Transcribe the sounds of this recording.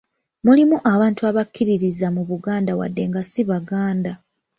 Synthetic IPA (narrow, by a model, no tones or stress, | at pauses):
mulimuʔaβaːntuaβakʰːiɾiɾizamuβuɡaːndawa̰dːe̞ŋɡasiβaɡaːnda